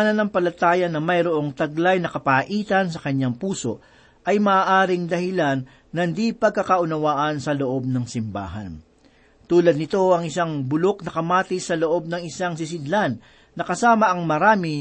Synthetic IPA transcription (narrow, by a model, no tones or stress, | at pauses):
nɐnɐŋpɐlɐt̪aːjɐnɐmɐjɾoʔo̞ŋt̪ɐɡlajnɐkɐpaʔiːt̪ɐnsɐkɐɲaŋpuːso̞ʔ | ʔɐjmɐːʔaːɾɪŋd̪ɐhɪlanː | ɐnd̪ipɐɡ̚kːɐkɐʔʊnɐwaːʔɐnsɐlo̞ʔo̞b̚nɐŋsɪmba̰ːɦɐ̰n | t̪uːlɐd̪̚nɪt̪o̞ɐŋɪsaŋbʊlo̞k̚nɐkɐmaːt̪ɪsɐlo̞ʔo̞b̚nɐŋɪsaŋsɪs̬ɪd̪lanː | ɐkɐsaːmɐʔɐŋmɐɾaːmi